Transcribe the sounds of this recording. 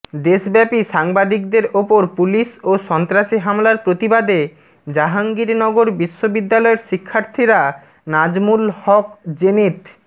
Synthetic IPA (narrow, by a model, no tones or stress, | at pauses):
d̪eʃbɛpiʃaŋbad̪ik̚d̪eɾopoɾpuliʃoʃɔnt̪ɾaʃiɦamlaɾpɾot̪ibad̪e | d͡ʑaɦaŋɡiɾnɔɡoɾbiʃːobid̪ːalɔeɾʃikʰːaɾt̪ʰiɾa | nad͡ʑmulhɔk̚d͡ʑenit̪